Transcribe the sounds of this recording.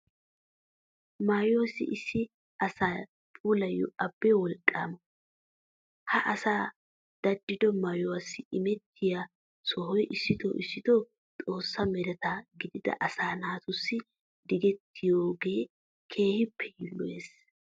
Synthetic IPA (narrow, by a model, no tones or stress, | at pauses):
majoːsɪ̰ʔɪsːɪ | ɐsaː | pʼuːlɐjːɔ̰ʔɐbːɛwɔlkʼːa̰ːmɔ | hɐʔɐsaː | d̪̥ɐd̪ːɪd̪ɔmajɔwɐsːɪɪmɛt̪ʰːɪja | sɔhɔjʔɪsːɪd̪ɔ̰ʔɪsːɪd̪ɔ | t̪ʼo̞ːsːɐmɛɾɛt̪aɡɪd̪ɪd̪ɐ̰ʔɐsaːnaːt̪ʊsːɪ | d̪ɪɡɛt̪ʰːɪjoːɡeː | kʰe̞ːhɪpʰːɛjɪlːɔḛːs